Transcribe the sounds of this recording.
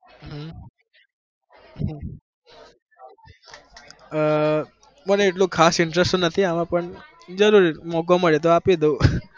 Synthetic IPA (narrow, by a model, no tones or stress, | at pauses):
ɦə | ɦ | məneːʈlũkʰasɪɳʈɾesʈũnət̪ʰiamãpəɳ | d͡ʒəɾuɾimok̬oməɭet̪̬oapid̪ũ